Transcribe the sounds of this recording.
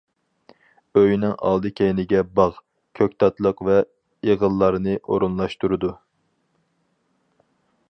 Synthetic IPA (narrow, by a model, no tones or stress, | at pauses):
øjnɪŋɑ̰lˠd̪ɨkʲʰɛjnɪɡʲɛbɑʁ | kʲʰøk̚ʲt̪ʰɑt̪lˠəqvɛ | eʁəlˠːɑɾɨnɨʔoɾunlˠɑʃt̪uɾɨd̪u